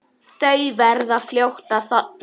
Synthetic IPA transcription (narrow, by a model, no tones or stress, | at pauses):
t̪œːɥvɛɾðaðfljowht̪aθɔt̪̚